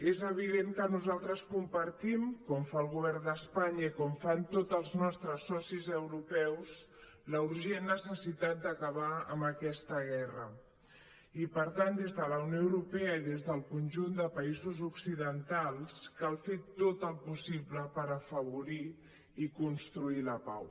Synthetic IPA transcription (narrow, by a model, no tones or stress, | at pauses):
ezəβ̞iðeŋkənuzalˠt̪ɾəskumpəɾt̪imkɔmfaːlˠɣuβ̞ɛrnd̪əspaɲəikɔmfant̪ot̪əlˠznɔst̪ɾəsːɔsizəwɾupɛwz | ləuɾʒenːəsəsit̪at̪̚d̪əkəβaə̰mbəkɛst̪əɣ̞ɛrə | ipəɾt̪and̪ezðələwnjoəwɾupeəiðezðəlˠkunʲʒund̪əpəizuzuksiðənt̪alˠskalˠfet̪ot̪əlˠpusibləpəɾəfəβuɾiː | kunst̪ɾuiləpa̰w